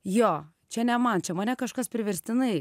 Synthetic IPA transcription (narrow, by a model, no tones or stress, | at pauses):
joː | t͡ʃʲɛnʲɛmɐnt͡ʃʲɛmɐnʲɛkɐʃkɐspʲɾʲɪʋʲɛɾʲsʲt̪ʲɪnɐɪ